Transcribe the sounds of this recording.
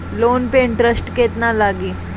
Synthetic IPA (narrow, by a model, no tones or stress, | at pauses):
lonpeɪɳʈɾəsʈket̪nalaɡiː